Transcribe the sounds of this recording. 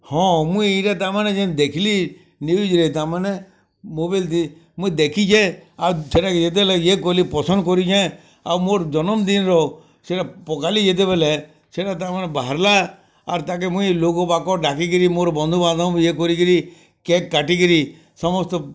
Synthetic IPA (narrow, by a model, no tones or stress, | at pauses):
hɔ̃mũieʈat̪amaned͡ʒɛ̃d̪ekʰili | niid͡ʒɾeit̪amane | mobajlt̪i | mũĩd̪ekʰit͡ʃʰeawsʰeʈaked͡ʒet̪̬ɛbɛlɛjekɔlipɔsɔnd̪ɔkɔɾid͡ʒã | a̰wmoɾd͡ʒɔnɔmd̪inɾɔ | seʈapɔkalid͡ʒet̪̬ebelɛ | seʈat̪̬amanebaɦaɾla | a̰ɾt̪ak̬emũĩlokɔbakɔɖakikəɾimoɾbɔnd̪ʱubãnd̪ʱãjekɔɾikəɾi | kekːaʈikəɾi | sɔmɔst̪ɔ